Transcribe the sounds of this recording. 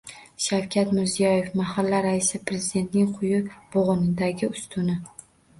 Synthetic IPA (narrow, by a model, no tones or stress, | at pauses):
ʃawkʲʰat̪mɪɾzijɒje̞fmahalːaɾaɪsɪpɾe̞zɪd̪e̞nt̪nɪŋqʰʊjʊb̥oʁʊnɪd̪aɡʲɪʊst̪ʰʊnɪ